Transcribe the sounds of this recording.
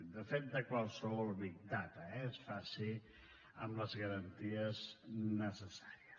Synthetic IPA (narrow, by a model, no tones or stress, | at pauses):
d̪əfet̪̚d̪əkwalˠsəβɔlˠβik̚d̪at̪əɛesfasi | ə̰mləzɣəɾənt̪iəznəsəsḁɾiəs